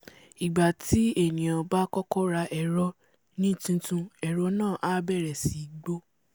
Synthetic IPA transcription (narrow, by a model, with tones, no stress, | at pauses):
i˨ɡ͡ba˨tʰi˨˦e˦˨nĩ˨ã˧ba˦kɔ˦kɔ˦ɾa˧ʔɛ˨ɾɔ˧ | nĩ˦˨tũ˧tũ˧ɛ˨ɾɔ˧˦nãː˦˨ʔa˦bɛ˦˨ɾɛ˨si˨ɡ͡bo˦